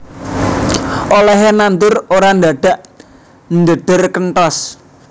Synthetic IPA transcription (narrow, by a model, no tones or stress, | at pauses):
ʔolɛɦenant̪ʊroɾand̪a̤ɖ̥a̤ʔ | nd̪əɖ̪̥ərkənʈ̪ɔs